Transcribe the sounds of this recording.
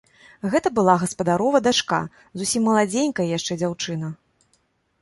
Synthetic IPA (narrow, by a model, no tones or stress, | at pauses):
ɣɛt̪ɐbɨlˠaɣɐspɐd̪aɾɔvɐd̪at͡ʂka̰ | zusʲimːɐlˠad͡zʲenʲkɐjɐjaʂt͡ʂɛd͡zʲawt͡ʂɨnɐ